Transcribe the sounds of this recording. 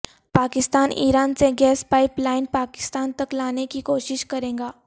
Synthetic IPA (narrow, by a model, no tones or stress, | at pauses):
paːkɪst̪aːnʔḭːɾaːnseɡɛːspaːɪplaːɪnpaːkɪ̥st̪aːnt̪ɐklaːnekikoːʃɪʃkɐɾẽːɡaː